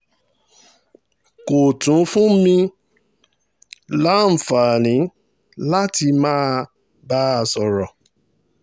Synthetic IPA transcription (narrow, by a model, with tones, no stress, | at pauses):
ko˨tũ˨˦fũ˦mĩ˧ | la˦m̩˨fa˨nĩ˨˦ | la˦ti˧mãː˦ | ba˦˧sɔ˨ɾɔ˨